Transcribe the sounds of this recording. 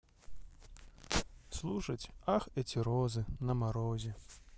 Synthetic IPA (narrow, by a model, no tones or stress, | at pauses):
slˠuʂɐt͡sʲaxɛt͡sʲiɾɔzɨnɐmaɾɔzʲɛ